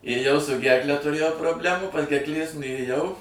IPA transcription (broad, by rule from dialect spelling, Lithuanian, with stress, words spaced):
eːˈjɛʊ sʊ ˈɡʲɛrklʲɛ tʊˈrʲeːjɛʊ proːbʲˈlʲæːmuː pɐs ɡʲɛrkˈlʲeːs nʊeːˈjɛʊ